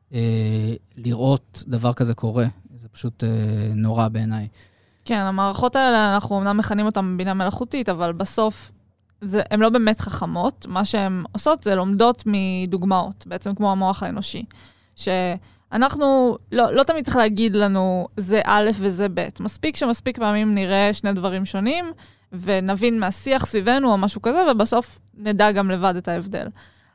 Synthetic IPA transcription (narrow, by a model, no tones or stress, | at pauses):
eliʁo̞t̚davaʁkazekʰo̞ʁezepḁʃuteno̞ʁabe̞ːnaj | ke̞namaːʁaχo̞tae̞le̞anaχnuo̞mnamːe̞χanimo̞tambiname̞laχutitavalbaso̞f | zeʔemlo̞be̞ːme̞tχaχamo̞tmaʃe̞emoso̞tzelo̞mdo̞tmiduɡmao̞̰tbeet͡se̞mkmo̞amo̞aχae̞̰no̞ʃi | ʃe̞ | anaχnulo̞lo̞t̪amid̚t͡si̥χleaɡidlanuzeʔale̞fvezebe̞̰tmaspikʃemaspikpeamimniʁe̞ʃne̞dvaʁimʃo̞nim | ve̞navinmeasiaχsvivenuomaʃukazevebaso̞f | nedaɡamle̞vade̞taevde̞̰l